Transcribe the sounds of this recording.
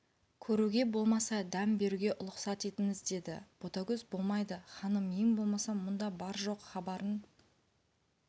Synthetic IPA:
kʲʰɵɾuɡʲe̞bo̞lˠmɑsɑd̪æmbe̞ɾuɡʲe̞ʔʊlˠəqsɑt̪e̞t̪ɪŋɪzd̪e̞d̪ɪ̰b̥o̞t̪ɑɡʲɵzbo̞lˠmɑjd̪əχɑnəmijɪmbo̞lˠmɑsɑmʊnd̪ɑbɑɾʒo̞qχɑbɑɾən

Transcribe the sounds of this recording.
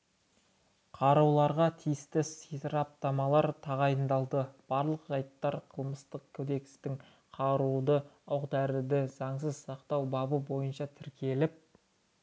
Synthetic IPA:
qʰɑɾɑwlˠɑɾʁɑt̪ʰijɪst̪ɪsit̪ɾɑp̚t̪ɑmɑlˠɑɾt̪ʰɑʁɑjənd̪ɑlˠd̪əb̥ɑɾlˠəqʒɑjt̪ːɑɾqʰəlˠməst̪əqkʰɵd̪e̞k̪̚st̪ɪŋ | qʰɑɾud̪əɑwqd̪æɾɪd̪ɪzɑɴs̬əzsɑqt̪ɑwbɑbəbo̞jənʃɑt̪ʰɪɾkʲʰe̞lɪp̚

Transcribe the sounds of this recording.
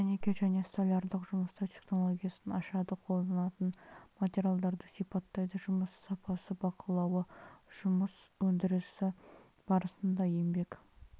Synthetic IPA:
mɪnekʲeʒæne̞st̪olʲɑɾd̪əqʒʊməst̪ɑt̪ʰe̞χno̞lˠoɡʲijasənɑʃɑd̪əqʰo̞lˠd̪ɑnɑt̪ənmat̪ʲeɾʲijalˠd̪ɑɾd̪əsijpɑt̪ːɑjd̪əʒʊməsːɑpɑsəbɑqʰəlˠɑwəʒ̥ʊməswɵnd̪ɪɾɪsɪ | b̥ɑɾəsənd̪ɑje̞mbe̞k

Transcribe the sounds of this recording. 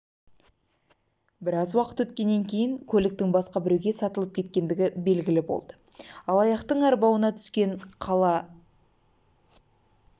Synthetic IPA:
bɪɾɑzwɑqə̥t̪wɵt̪kʲe̞nːeŋkʲʰe̞jɪŋkʲʰɵlɪk̚t̪ɪŋbɑsqɑbɪɾewɡʲe̞sɑt̪əlˠəp̚kʲʰe̞t̪̚kʲe̞nd̪ɪɡʲɪbe̞lɡʲɪlɪbo̞̰lˠd̪̥əɑlˠɑjɑqt̪əɴæɾbɑwənɑt̪ʰʏ̥skʲe̞ɴqʰɑlˠɑ

